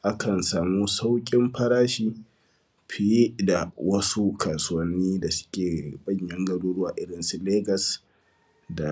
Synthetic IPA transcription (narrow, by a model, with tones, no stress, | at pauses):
ʔa˦kʰɐ˨nsaː˨muː˦sa˦wkʲʼɪ˦mɸɐ˦ɽaː˦ʃiː˦ | ɸʰi˦ji˦da˨wɐ˦su˦kʰaː˨su˦wɐ˦nːiː˦da˨sʊ̥˦kʲeː˨bɐ˦˨ɲjɐ˦ŋɡɐ˨ɽuː˦ɽʊ˦waː˨ʔɪ˦ɽɪ˨nsu˨leː˦ɡɐ˨s | da˨